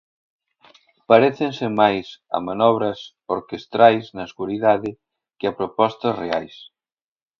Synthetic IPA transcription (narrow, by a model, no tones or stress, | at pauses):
paɾeθensɪmajsɐ̰manɔβ̞ɾɐs | oɾkest̪ɾajsnɐsɣuɾiðaðɪ | kɪapɾopɔst̪ɐsrea̰js